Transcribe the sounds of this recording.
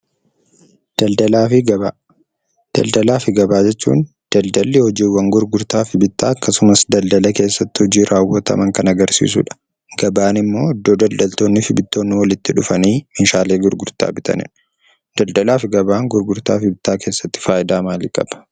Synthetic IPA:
d̪̥ɐld̪ɐlaːfɪɡɐba | d̪̥ɐld̪ɐlaːfɪɡɐbaːd͡ʒɛt͡ʃːṵːn | d̪̥ɐld̪ɐlːɪhɔd͡ʒiːwːɐŋɡʊɾɡʊɾt̪aːfɪbɪt̪ːaːɐkːɐsʊmɐsd̪ɐld̪ɐlɐke̞ːsːɐt̪ːɪhɔd͡ʒiːɾʔaːwːɐt̪ɐ̰mɐŋkɐnɐɡɐɾsḭːs̬ṵᶑɐ̥ | ɡ̥ɐbaːnɪmːo̞ːɪd̪ːo̞ːd̪ɐld̪ɐlt̪o̞ːnːɪfɪbɪt̪ːo̞ːnːɪwɐlɪt̪ːɪᶑʊfɐniːmɪnʃaːle̞ːɡʊɾɡʊɾt̪a̰ːbɪt̪ɐ̰nɪ̰ᶑ | d̪̥ɐld̪ɐlaːfɪɡɐbaːŋɡʊɾɡʊɾt̪aːfɪbɪt̪ːaːke̞ːsːɐt̪ːɪ̥faːjɪd̪aːmaːlɪkʼɐ̰b̥ɐ̥

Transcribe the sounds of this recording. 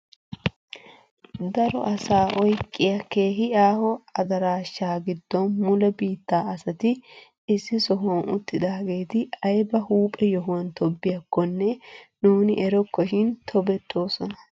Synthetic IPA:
d̪ɐɾɔ̰ʔɐsaːʔɔjkʼːɪjɐke̞ːɦɪaːhɔɐd̪ɐɾaːʃːaːɡɪd̪ːɔnmʊlɛbiːt̪ːaːɐsɐt̪ɪ | ɪsːɪsɔɦʊwɐnʊ̰t̪ːɪd̪aːɡe̞ːt̪ɪɐjbɐhuːpʼɛjɔɦʊwɐnt̪ɔbːɪjɐkːɔnːɛnuːnɪʔɛɾɔkːɔʃɪnt̪ʰɔbɛt̪ʰʼːo̞ːsɔnɐ̥

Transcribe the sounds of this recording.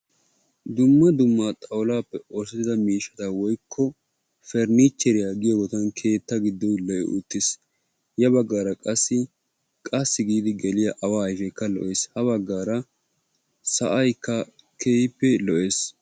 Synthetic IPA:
d̪ʊmːɐd̪ʊmːat̪ʼɐwlaːpːɛɔsɪt̪ɪd̪ɐmiːʃːɐt̪awɔjkʰːɔ | fɛɾnit͡ʃːɛɾɪjaɡɪjɔɡɔt̪ɐnkʰe̞ːt̪ːɐɡɪd̪ːɔlɔʔɛʔʊ̰t̪ːɪs | jɐbɐɡːaːɾɐkʼɐsːɪ | kʼɐsːɪɡiːd̪ɪɡɛlɪjɐʔɐwaːɐjfɛkːɐlɔ̰ʔeːshɐβɐɡːaːɾɐ | sɐ̰ʔɐjkːɐ | kʰejpːɛlɔʔeːs

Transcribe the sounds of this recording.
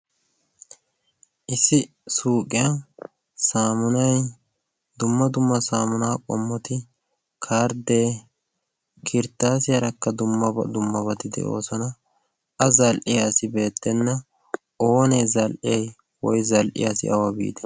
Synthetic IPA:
ʔɪsːɪ | suːkʼɪja | saːmʊnɐj | d̪ʊmːɐd̪ʊmːɐsaːmʊnaːkʼɔmːɔt̪ɪ | kʰaːɾd̪eː | kʰɪɾt̪ːaːsɪjɐɾɐkːɐd̪ʊmːɐɐ̰d̪ʊmːɐbɐt̪ɪd̪ɛ̰ʔo̞̰ːsɔnɐ | ɐzɐlʔɪjɐsɪbe̞ːt̪ːɛnːɐ | o̞ːnɛzɐlʔɪjɛj | wɔjzɐlʔɪ̰jɐsɪ̰ʔɐwɐbḭːd̪ɛ̥

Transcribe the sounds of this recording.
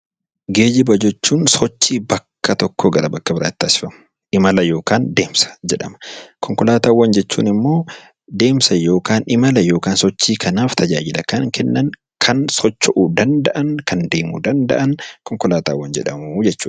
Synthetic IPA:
ɡe̞ːd͡ʒɪbɐd͡ʒɛt͡ʃːuːnsɔt͡ʃːiːbɐkʰːɐt̪ɔkːoɡɐɾɐbɐkːɐbɪɾa̰ːt̪ːaːsɪ̥fɐmɐ̥ | ɪmɐlɐjo̞ːkaːnd̪e̞ːmsɐ̥d͡ʒɛᶑɐ̰mɐ̥kʰɔŋkɔlaːt̪aːwːɐnd͡ʒɛt͡ʃːṵːnɪmːo̞ː | d̪e̞ːmsɐjo̞ːkaːnɪmɐlɐjo̞ːkaːnsɔt͡ʃːiːkʰɐnaːft̪ɐd͡ʒa̰ːd͡ʒɪlɐkɐnŋkʰɛnːɐn | kʰɐnsɔt͡ʃːɔʔud̪ɐnd̪ɐʔɐŋkʰɐnd̪e̞ːmṵd̪ɐnd̪ɐ̰ʔɐnkɔŋkɔlaːt̪a̰ːwːɐnd͡ʒɛ̰ᶑɐmud͡ʒɛt͡ʃːuːn

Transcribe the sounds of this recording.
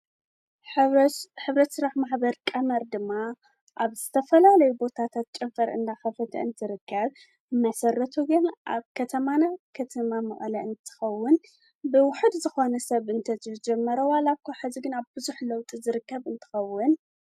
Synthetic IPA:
ħɨβɾɐt̪sɨɾaħmaħbɐɾkʼɐmɐɾd̪ɨmːa | ʔaβzɨt̪ʰɐfɐlalɐjubo̞t̪ʰat̪ʰat̪̚t͡ʃʼɐmfɐɾʔɨ̰nd̪axɐfɐt̪ʰɐ̰ʔɨnt̪ʰɨɾɨkːɐβ | mɐsɐrɐt̪ʰuɡɨnʔa̰βkʰɐt̪ʰɐmanakʰɐt̪ʰɐmamɐ̰ʔʼlɐʔɨnt̪ʰɨ̥xɐwːʊn | bɨwʊħɨd̪zɨxo̞nɐsɐβʔɨnt̪ʰɐzɐd͡ʒɛmːɐɾɐwalakʰoħaziɡɨnaβbɨzuħlɐwt̪ʼizɨɾɨkːɐβɨnt̪ʰɨ̥xɐwːʊn

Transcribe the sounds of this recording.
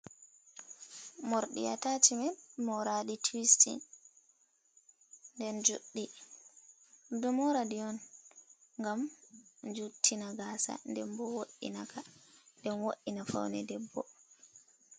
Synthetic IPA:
moɾɗḭja̰tatimɛmɔɾaditʰwistḭn | ndɛnd͡ʒṵɗːi | dɔmɔɾadiɔn | ŋɡamd͡ʒutʰːinaɡaːsa̰ndɛmbɔwoʔḭnakandɛnwoʔːinafa̰wnɛdɛbːɔ̰

